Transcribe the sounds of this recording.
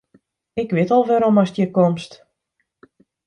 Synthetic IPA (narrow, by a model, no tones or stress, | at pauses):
ɪkʋɪətɔlˠʋɛɾomɔsdjəkomst